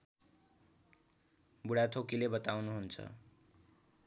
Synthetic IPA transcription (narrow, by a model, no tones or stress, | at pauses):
buɽat̪ʰokilebʌt̪awnuɦunt͡sʰʌ̰